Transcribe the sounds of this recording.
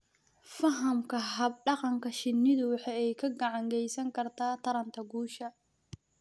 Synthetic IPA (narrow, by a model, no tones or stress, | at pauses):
fɐɦɐmkʰɐɦɐb̚ɖɑqɑŋkʰɐʃɪnːɪðʊwɑħɑɛjkʰɐɡɐʕɑŋɡɛjsɐŋkʰɐrt̪ʰaːt̪ʰɐɾɐnt̪ʰɐɡuːʃɐ